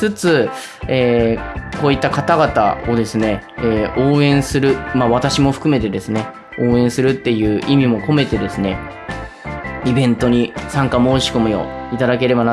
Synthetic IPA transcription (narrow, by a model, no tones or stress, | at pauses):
sɨt͡sɨ | eːko̞ːit̪ːakat̪aɡat̪a̰o̞d̪e̞sɨne̞eːo̞ːẽ̞ɰ̃sɨɾɯ̟maβat̪aɕimo̞ɸɯ̟̥kɯ̟me̞t̪e̞d̪e̞sɨne̞ | o̞ːẽ̞ɰ̃sɨɾɯ̟t̪ːe̞jɯ̟ːʔimʲimo̞ko̞me̞t̪e̞d̪e̞sɨne̞ | ibẽ̞nt̪o̞ɲ̟isãŋkamo̞ːɕi̥ko̞mɯ̟jo̞it̪ad̪ake̞ɾe̞bana